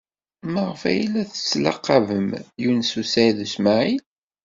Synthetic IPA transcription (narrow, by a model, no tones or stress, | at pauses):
məʁəfæ̰jlæθə̥t͡sːlɑ̰qːɑvəmjunsusæjðəsmaʕil